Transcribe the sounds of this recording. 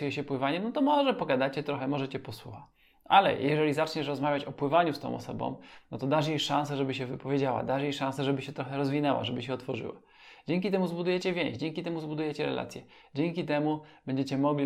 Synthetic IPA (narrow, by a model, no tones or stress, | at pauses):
jɛɕɛpwɘvaɲɛmnɔt̪ɔmɔʐɛpɔɡad̪at͡ɕɛt̪ɾɔxɛmɔʐɛt͡ɕɛpɔswuxa | ʔalɛ̰jɛʐɛlʲizat͡ʂɲɛʂɾɔzmavʲjat͡ɕɔpwɘvaɲust̪ɔ̰̃w̃ʔɔ̰sɔ̰bɔ̰̃w̃nɔt̪ɔd̪aʐejʂãsɛʐɛbɘɕɛvɘpɔvʲjed͡ʑawa̰d̪aʐjejʂãñsɛʐɛbɘɕɛt̪ɾɔxɛɾɔzvʲinɛwa̰ʐɛbɘɕɛɔt̪fɔʐɘ̰wa̰ | d͡ʑeŋʲkʲit̪ɛmuzbud̪ujɛt͡ɕɛvʲjẽʑd͡ʑɛŋkʲit̪ɛmuzbud̪ujɛt͡ɕɛɾɛ̰lʔa̰t̪sʲjɛ | d͡ʑɛŋkʲit̪ɛmubɛɲd͡ʑet͡ɕɛmɔɡlʲi